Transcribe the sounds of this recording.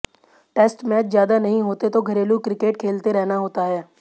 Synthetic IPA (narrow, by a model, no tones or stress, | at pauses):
ʈɛːsʈmɛːt͡ʃzjaːd̪anəɦĩɦoːt̪et̪oɡʱəɾeːlukɾɪkeːʈkʰeːlt̪eɾɛɦnaɦoːt̪aɦɛː